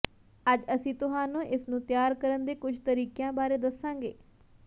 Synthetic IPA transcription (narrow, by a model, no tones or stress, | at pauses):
əd͡ʒəsĩːt̪ʊɦãːnũːʔɪsnũːt̪jaːɾkəɾənd̪eːkʊd͡ʒʱt̪əɾiːkjãːbaːɾeːd̪əsːãːɡeː